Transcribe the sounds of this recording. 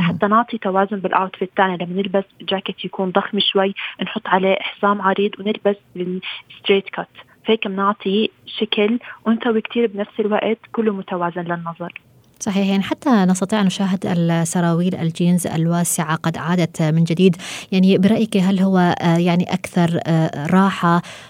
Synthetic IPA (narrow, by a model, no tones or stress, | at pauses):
ħat̪ːanʊʕt̪ˤit̪awaːzʊnbɪlʔaːt̪fɪt̪ːaʕnilamːanɪlbasd͡ʒaːkɪt̪jakuːnd̪ˤɑxmiʃwajːnħʊt̪ˤːʕalaʔɪħsaːmʕɑɾiːd̪ˤwnɪlbasbɪst̪ɾeːt̪kat̪ | fheːkɪmnʊʕt̪ʰˤiʃaklwɪnsawikt̪ʰiːɾbnafsɪlwa̰ʔt̪kʊlːumʊt̪awaːzɪnlɪnːɑðˤɑɾˤ | sˤɑħiːħjaʕniħat̪ːanɑs̬t̪ɑt̪ˤiːʕʔnʊʃaːɦɪd̪ɪ̰lsɑɾˤɑːwiːlʔa̰ld͡ʒiːnza̰lwaːsɪʕaqɑd̪ʕaːd̪at̪mɪnd͡ʒɪd̪iːd̪jaʕnibɪɾˤɑʔjkiɦalːɦʊwːajaʕniʔakθɑɾˤɾˤɑːħa